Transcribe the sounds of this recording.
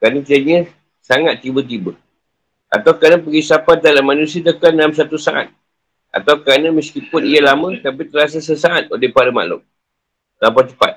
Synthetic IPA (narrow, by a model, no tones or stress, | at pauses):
kɾanə̃t̪iaɲə | saŋat̪ːibət̪̬ibə | a̰t̪awkəɾanəpəɡisapat̪̚dalamanusiat̪əkanams̬at̪usaʔa̰t̪̚ | ʔa̰t̪awkɾanə̃məsk̪ipʊnijalamə̃t̪apit̪əɾas̬asəsaːt̪̚olɛhpaɾəma̰ʔlʊ̰m | tampat͡ʃ̪ə̥pa̰t̪̚